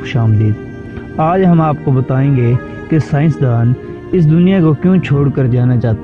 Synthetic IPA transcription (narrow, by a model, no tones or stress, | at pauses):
ʊʃaːmd̪iːd̪ | aːd͡ʒɦɐmaːpkobət̪aːẽːɡeː | kesaːɪ̃nsd̪aːn | ɪs̬d̪ʊnijakokjõːt͡ʃʰoːɽkəɾd͡ʒaːnat͡ʃaːt̪